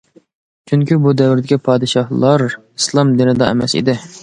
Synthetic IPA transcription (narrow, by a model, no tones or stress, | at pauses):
t͡ʃʰyŋkʲibud̪ɛwɪɾd̪ɪkʲipʰɑːd̪ɨʃɑhlˠɑɾ | islˠɑmd̪ɪnɪd̪ɑɛ̰mɛsḭd̪ɪ